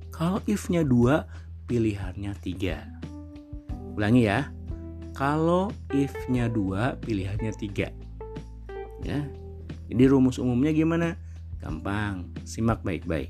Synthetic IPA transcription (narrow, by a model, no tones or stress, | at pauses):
kaloʔɪfɲadua | piliɦarɲat̪iɡa̰ | ulaŋija | kaloɪfɲaduapiliɦarɲat̪iɡa̰ | ja̰ | d͡ʒadiɾumʊsumʊmɲaɡimana | ɡ̥a̰mpaŋsimak̚baɪ̰k̚ba̰ɪ̰k